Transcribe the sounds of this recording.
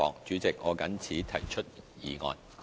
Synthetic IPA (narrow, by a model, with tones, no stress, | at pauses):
ɔ̰ː˨k̚t͡ʃyː˨˥t͡sɪ˨k̚ŋɔː˨˧kɐ˨˥nt͡sʰiː˨˥t̪ʰɐ˨˩jt͡ʃʰɵ˥t̚jiː˨˧ŋɔ̰ː˧n